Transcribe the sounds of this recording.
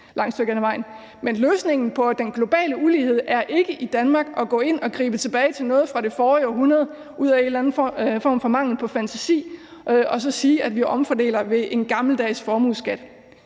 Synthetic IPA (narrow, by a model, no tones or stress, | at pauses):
lɑ̈ŋ̰sd̥øɡ̥ænæʋɑ̈ɪ̰n̩ | menløːsne̝ŋ̰n̩pʰɒ̽d̥enɡ̥lo̝b̥ɛ̰ːləuliːhe̝ð̰ˠʔæɐʔe̝ɡ̥əʔid̥ænmɑ̈ɡ̥ɒ̽ɡ̥ɔ̰̽ːe̝n̰ɒ̽ɡ̥ʁḭːb̥ət͡sʰe̝b̥ɛːɪt͡sʰe̝lnɔ̽ːð̞̩ˠfʁɑ̈ɾe̝fɒːiɒɦunɐð̞̩ˠ | ʔuð̰ˠæe̝nlæn̩fɒ̰ːmfɒ̽mɑ̈ŋ̰l̩ˠpʰɒ̽fænt͡sʰæsḭː | ɒ̽sɒ̽siːæd̥ʋiʔɒ̽mfɒd̥e̝̰ːlɐʋe̝ʔe̝nɡ̥ɑ̈ml̩d̥ɛ̰ːsfɒːmuðˠsɡ̥æd̥